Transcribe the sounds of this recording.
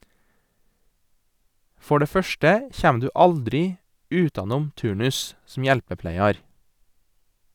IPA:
ˈfɔ ˈɖeː ˈfœʃʈə ˈçæːm ˈdʉː ˈɑldɾɪ ˈʉːtɑˌnuːm ˈtʉːɳʉs sm̩ ˈjɛlpəˌplæɪɑɾ

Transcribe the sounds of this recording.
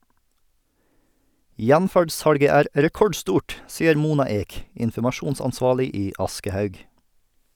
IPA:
ˈjænfæɖˌsɑɽɡə ˈæːɾ ɾɛˈkɔɖˌstuːʈ ˈsiːəɾ ˈmuːnɑ ˈeːk ɪnfɔmɑˈʃuːnsɑnˌsʋɑːɭɪ ˈiː ˈɑskəhœʉɡ

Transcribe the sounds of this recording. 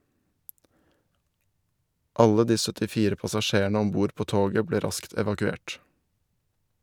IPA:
ˈɑlə ˈdiː sœtɪˈfiːɾə pɑsɑˈʃeːˌɳeː ˈɔm ˈbuːɾ ˈpoː ˈtoːɡə ˈbleː ˈɾɑskt ɛʋɑkʉˈeːʈ

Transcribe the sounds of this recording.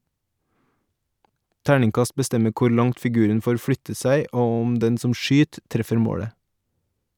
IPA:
ˈtæːɳɪŋˌkɑst bəˈstɛmə ˈkuːɾ ˈlɑŋt fɪˈɡʉːɾən ˈfoːɾ ˈfɽʏtə ˈsæɪ ˈoː ˈʊm ˈdɛn ˈsɔm ˈʃyːt ˈtɾɛfəɾ ˈmoːɽə

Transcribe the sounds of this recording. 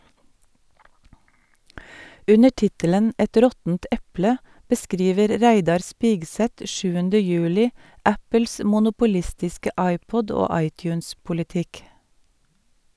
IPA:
ˈʉnə ˈʈɪtələn ˈʔɛt ˈɾɔtn̩t ˈɛplə bəˈskɾiːʋəɾ ˈɾæɪdɑɾ ˈspiːɡˌsɛt ˈʃʉːəndə ˈjʉːlɪ ˈæpəls mʊnʊpʊˈlɪstɪskə ˈʔɑɪˌpɔd ˈoː ˈɑɪˌtjʉːnspʊlɪˌtɪk

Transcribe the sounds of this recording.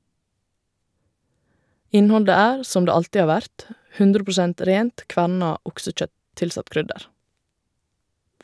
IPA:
ˈɪnˌhɔldə ˈæːɾ ˈsɔm ˈdeː ˈɑltɪ ˈɑː ˈʋæɾt ˈhʉndɾə pɹʊˈsɛnt ˈɾeːnt ˈkʋæɳɑ ˈʊksəˌc͡çœt ˈtɪlˌsɑt ˈkɾʏdəɾ

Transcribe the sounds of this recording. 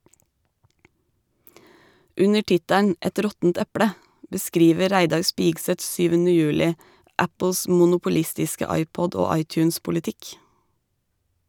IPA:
ˈʉnə ˈʈɪtæɳ̩ ˈɛt ˈɾɔtn̩t ˈɛpɽə bəˈskɾiːʋə ˈɾæɪdɑɾ ˈspiːɡsət ˈsyːʋənə ˈjøːlɪ ˈæpl̩s ˌmʊnʊpʊˈlɪstɪskə ˈɑɪˌpɔd ˈoː ˈɑɪˌtjʉːnspʊlɪˌtɪk

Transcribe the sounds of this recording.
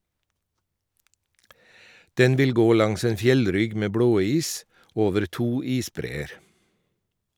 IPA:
ˈdɛn ˈʋɪl ˈɡoː ˈlɑŋs ˈeːn ˈfjɛlˌɾʏɡ ˈmeː ˈbɽoːˌiːs ˈoːʋəɾ ˈtuː ˈiːsˌbɾeːəɾ

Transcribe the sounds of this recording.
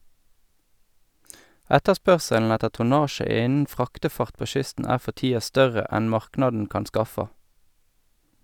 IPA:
ˈɛtəˌspœʁsəln̩ ˈɛtə tʊˈnɑːʃə ˈɪnn̩ ˈfʁɑːktəˌfɑʁt ˈpoː ˈʃʏstn̩ ˈæː ˈfɔ ˈtiːɑ ˈstœʁə ˈɛn ˈmɑʁknɑdn̩ ˈkɑn ˈskɑfɑ

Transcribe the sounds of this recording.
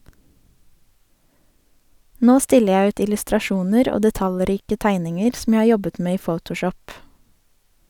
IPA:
ˈnoː ˈstɪlə ˈjæ ˈʉːt ɪlʉstɾɑˈʃuːnəɾ ˈoː dɛˈtɑlˌɾiːkə ˈtæɪnɪŋəɾ sm̩ ˈjæ ˈhɑː ˈjɔbət ˈmeː ˈiː ˈfəʊtʊˌʃɔp

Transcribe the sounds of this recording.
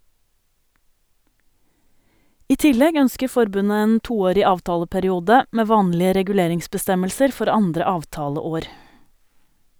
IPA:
ˈiː ˈtɪlɛɡ ˈœnskə ˈfɔɾbʉnə ˈeːn ˈtuːˌoːɾɪ ˈɑːʋˌtɑːləpæɾɪˌuːdə ˈmeː ˈʋɑːnlɪə ɾɛɡʉˈleːɾɪŋsbəˌstɛməlsəɾ ˈfɔɾ ˈɑndɾə ˈɑːʋˌtɑːləˌoːɾ

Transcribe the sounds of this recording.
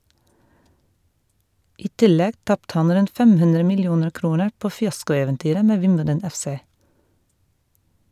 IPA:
ˈiː ˈtɪˌlɛɡ ˈtɑptə ˈɑn ˈɾʉnt ˈfɛm ˈhʉndɾə mɪlˈjuːnəɹ ˈkɾuːnəɹ ˈpoː fɪˈɑskʊɛʋɛnˌtyːɾə ˈmeː ˈʋɪmbədən ˈɛfˌseː

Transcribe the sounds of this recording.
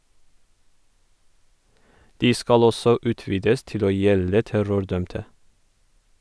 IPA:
ˈdiː ˈskɑl ˈɔsɔ ˈʉːˌtʋiːdəs ˈtɪl ˈoː ˈjɛlə ˈtæɾʊɾˌdœmtə

